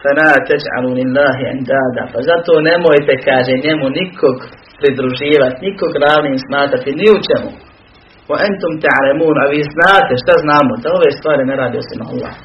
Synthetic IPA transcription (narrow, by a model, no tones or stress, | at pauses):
famaːt̪ad͡ʒʕa̰lulilːaːɦia̰nd̪aːd̪a̰pazat̪o̞ːne̞mojt̪e̞kaːʒeːɲe̞munikʰo̞ɡ | pɾid̪ɾuʒiːʋat̪niko̞ɡɾaːʋniːmsmaːt̪ɾat̪iniut͡ʃemṵ | waʔant̪umt̪aʕlamuːnaʋiːznaːt̪e̞ʃt̪aznaːmod̪ao̞ʋeːst̪ʋaːɾineɾaːd̪ijosimoa̰lːa̰ːh